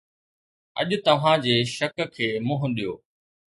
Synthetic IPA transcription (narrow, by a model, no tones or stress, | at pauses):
ɐ̰ʄʊt̪ɐʋ̤ãd͡ʑeːʃɐkkʰːeːmʊ̃ɦʊɗijoː